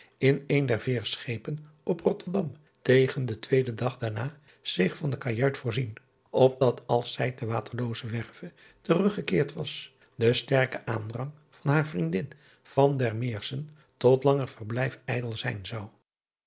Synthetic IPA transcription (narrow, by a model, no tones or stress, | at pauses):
ɪnejndɛɹvɪːɹsχejpən | ʔɔprɔtəɹdɑm | tejχəndətʋejdədɑχdaːɹnaː | z̥ɪχfɑndəkajœɥtfʊːɹzin | ɔb̚dɑtʰɑlˠsɛjdəʋaːtʰəɹlowzəʋɛɹv̥ə | tərɵχəkɪːɹtʋɑs | dəstɛɹkəʔaːndrɑŋ | v̥ɑnɦaːɹvrindɪn | v̥ɑndɛɹmɪːɹsən | tɔtlɑŋərv̥ərblɛjfɛjdəlˠzɛjnzɑw